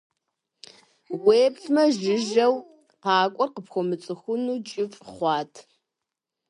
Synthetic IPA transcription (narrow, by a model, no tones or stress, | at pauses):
weːpɬmɐʒɪʒɐw | qɑːkʷʼɔrqəpxʷɔmɨt͡sʼɨxʷʊnuːt͡ʃʼɪfʼχʷɑːtʰ